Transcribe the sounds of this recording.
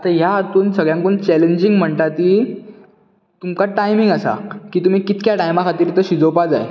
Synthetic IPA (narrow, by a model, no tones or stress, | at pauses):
at̪ajaat̪uːnsəɡɭjaŋkoːnt͡ɕɛleɲd͡ʑiŋɡm̤əɳt̪at̪iː | t̪umkaʈajmiŋɡasa̰kiːt̪um̤iːkit̪kjaʈajmakʰat̪iːɾt̪əɕid͡zowpad͡zaj